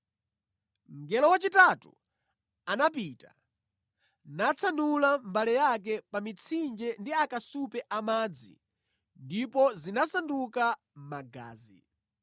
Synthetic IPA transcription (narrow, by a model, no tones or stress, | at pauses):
ŋɡɛlɔwat͡ʃitatṵ | anap̬iːta | nat͡sʰanulambalɛjak̬ɛpamit͡sʰind͡ʒɛndiakasupɛʔamaːd͡zḭ | ndipɔzinasanduka | maɡa̰ːzi